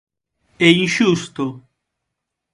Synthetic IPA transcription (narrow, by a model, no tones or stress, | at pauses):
ɛinʃust̪o